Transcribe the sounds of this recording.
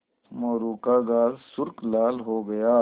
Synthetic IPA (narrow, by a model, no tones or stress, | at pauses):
moːɾuːkaːɡaːzsʊɾklaːlɦoːɡɐjaː